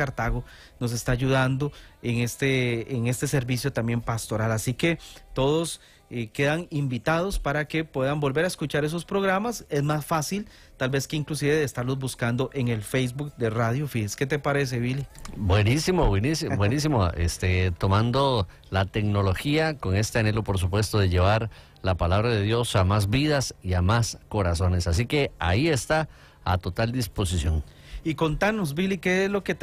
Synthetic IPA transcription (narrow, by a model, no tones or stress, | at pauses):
kaɾt̪aɣo | no̞s̬e̞st̪aːʝuðand̪oeŋest̪eːŋe̞st̪e̞se̞ɾbisjo̞t̪ambje̞mpast̪o̞ɾalasike̞t̪o̞ðo̞s | eke̞ðaŋimbit̪að̞o̞spaɾake̞pwe̞ðambo̞lbe̞ɾaeskut͡ʃaɾe̞s̬o̞spɾo̞ɣɾamase̞zmasfasil | t̪albe̞skeiŋklus̬iβeðest̪aɾlozbuskand̪o̞ʔeŋe̞lfejzbukd̪e̞raðjofiske̞t̪epaɾe̞s̬eβilibwenisimobwenisibwenisimoḛst̪et̪o̞mãnd̪o | lat̪e̞kno̞lo̞xiako̞ŋe̞st̪eane̞lo̞po̞ɾs̬upwe̞st̪oðe̞ʝe̞βaɾ | lapalaβɾaðe̞ðjo̞samazbið̞asiamasko̞ɾaso̞ne̞sasike̞a̰ie̞st̪a | a̰t̪o̞t̪ald̪ispo̞s̬isjo̞ŋ | iko̞nt̪anozbilikezloke